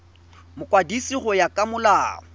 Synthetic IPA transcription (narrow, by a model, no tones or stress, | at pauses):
mʊkʼwadisiχɔjakʼamʊlaːɔ